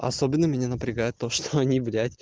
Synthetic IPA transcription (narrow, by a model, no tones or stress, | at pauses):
ʔɐ̰sobʲɪnːəmʲɪnʲanəpɾʲɪɡajɪt̪ːoʂt̪oɐnʲivlʲætʲ